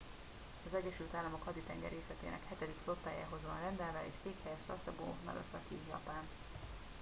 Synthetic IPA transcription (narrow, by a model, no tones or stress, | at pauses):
ɒzɛɟːɛʃylt̪aːlːɒmo̞khɒd̪it̪ɛŋɡɛ̰rɾeːslɛt̪ḛːnʔɛ̰khɛt̪ɛd̪ikflo̞t̪ːaːja̰ːɦo̞zʋɒnrɛnd̪ɛlvɛḛːʃseːkhɛjɛʃlɛ̰sɒbo̰ːnɛ̰løsɒkijɒ̰paːn